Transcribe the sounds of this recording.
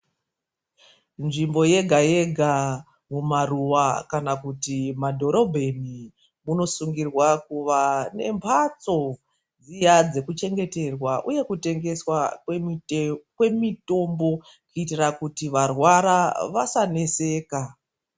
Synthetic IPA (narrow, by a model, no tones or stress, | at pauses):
nʐimbo̞je̞ɡʱaje̞ɡʱa | mumaruʋakanakutimadʱo̞ɾo̞bʱe̞ni | muno̞suŋɡirwakuʋane̞̰mpʰat͡so̞ | d͡zijad͡ze̞kut͡ʃe̞ŋɡe̞te̞rwaʔuje̞kute̞ŋɡe̞swa | kwe̞mito̞mbo̞ | kuitirakutiʋarwaɾaʋasane̞se̞ːka